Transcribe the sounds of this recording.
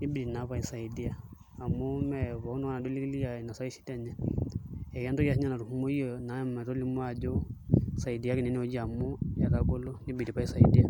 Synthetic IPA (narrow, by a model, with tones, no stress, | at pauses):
ni˦bi˨ɾi˨na˨˦βa˦i˨sa˨i˨di˦aː˨ | mo˦mɛ˨βɔ˨˦nɔ˦a˦na˨do˦li˦ki˦li˦ja˨na˨sa˦i˦si̥˦tɛ˦ɲa˨ | ɛ˨kɛ˦ndɔ˦ki˦a˦sɲa˦na˨ɾu˨hu˦mo˦i˦ɔ˨na˨˦mɛ˨ɾo˦li˦mo˦a˦˨d͡ʒo˦sa˨i˨di˦a˦kɛ˨nɛ˦n˦o˦d͡ʒi˦a˨mo˦ja˨ɾa˦ko˦lo˦ni˦bi˨di˨pa˦i˦sa˨i˨di˦a˦